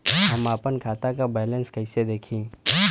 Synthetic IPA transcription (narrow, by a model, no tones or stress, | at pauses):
ɦɐmaːpənkʰaːt̪akabɛːlə̃nskɐɪsed̪eːkʰĩː